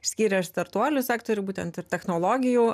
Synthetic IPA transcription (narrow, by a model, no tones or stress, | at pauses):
sʲkʲiːɾʲɛst̪ɐɾt̪uɔlʲʊsʲæːkt̪oːɾʲʊbuːt̪ʲɛnt̪ɪɾt̪ʲɛxnoːlˠoːɡʲɪjuː